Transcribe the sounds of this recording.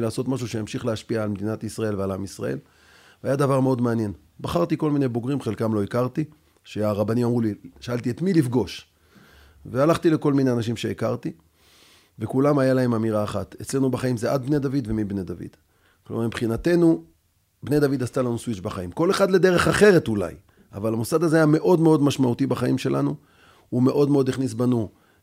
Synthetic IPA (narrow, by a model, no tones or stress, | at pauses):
laːso̞t̪maʃ̬uʃejamʃiχleaʃpiaːlmed̪inat̪isʁae̞lvealamisʁa̰ʔe̞̰l | veajad̪avaʁmeo̞d̪meanje̞n | baχaʁt̪iko̞lmine̞jbo̞ɡʁimχe̞lkamlo̞ikaʁt̪i | ʃe̞aʁabanimamʁuliʃaalt̪iet̪milifɡo̞ʃ | vealaχt̪ile̞ko̞lmine̞anaʃ̬imʃe̞ːkaʁt̪i | ve̞kulamajalae̞mamiʁaːχat̪et͡sle̞nubaχaimzeʔad̪̚bned̪avid̪ve̞mibned̪avḭd̪̥ | klomaʁmimbχinat̪e̞nu | bne̞jd̪avid̪ast̪alanuswit͡ʃbaχaimko̞le̞χad̪le̞d̪e̞ʁe̞χaχe̞ʁe̞t̪ula̰j | avalamusad̪azeajame̞ʔo̞d̪meo̞d̪maʃmaut̪ibaχaimʃe̞lʔanu | ume̞ʔo̞d̪meo̞d̪iχnis̬banu